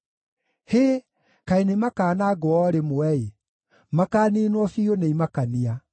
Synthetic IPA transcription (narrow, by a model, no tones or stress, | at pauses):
heː | kaenemakaːnaɡoɔɾemoɛe | makaːniːnwɔfioneimakania